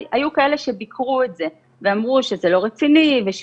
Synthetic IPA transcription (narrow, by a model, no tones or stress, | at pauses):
ʔajukae̞le̞ʃe̞bikʁuetze̞ | veamʁuʃezelo̞ʁet͡siniveʃ